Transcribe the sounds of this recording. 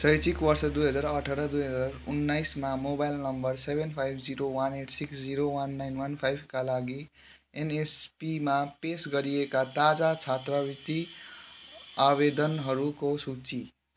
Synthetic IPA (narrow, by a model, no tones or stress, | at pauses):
sʌjt͡sikbʌrsʌd̪ujɦʌd͡zaɾʌʈʰaɾʌd̪ujɦʌd͡zarṵnːajsmamobajlnʌmbʌrsebʱenpʰajbʱd͡ziɾowʌneʈsiksd͡ziɾowʌnːajnwʌnpʰajbʱkalaɡi | enespimapesɡʌɾiekat̪ad͡zat͡sʰat̪rʌwit̪i | abed̪ʌnɦʌɾukosut͡si